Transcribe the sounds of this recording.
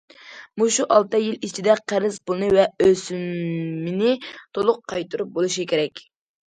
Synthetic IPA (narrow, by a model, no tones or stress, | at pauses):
muʃuʔɑlˠt̪ɨjilit͡ʃʰid̪ɛqʰæɾɪzpʊlˠnɨvɛøsymːɪnɪt̪ʰolˠʊqʰːɑjt̪ɨɾup̚bolˠuʃikʲʰeɾɛkʲ